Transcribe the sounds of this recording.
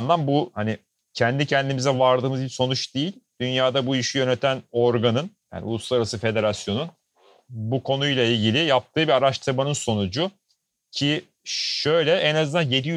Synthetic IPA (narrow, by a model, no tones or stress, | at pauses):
nd̪anbuhanɪ | cʰɛnd̪icʰɛnd̪imizɛvaɾd̪ɯːmɯzbiso̞nut͡ʃd̪ejilʲd̪̥ynjaːd̪abuiʃijø̞net̪ʰæno̞ɾɡanɯnja̰ːniṵlˠuslalaɾasɯfe̞d̪e̞ɾasjonun | bukʰo̞nujlˠailʲɟilʲɪjap̚t̪ʰɯːbiaɾaʃt̪ʰɯɾmanɯnso̞nud͡ʒu | cʰi | ʃø̞jlʲɛʔɛnazɯnanje̞d̪ij